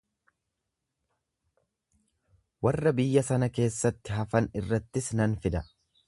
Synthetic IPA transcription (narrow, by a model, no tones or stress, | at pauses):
wɐrːɐbɪjːɐsɐnɐke̞ːsːɐt̪ːɪɦɐfɐnɪrːɐt̪ːɪsnɐnfɪd̪ɐ